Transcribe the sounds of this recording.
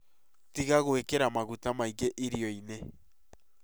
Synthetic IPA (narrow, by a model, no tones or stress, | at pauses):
tiɣaɣwekeɾamaɣutamaiɣeʔiɾioine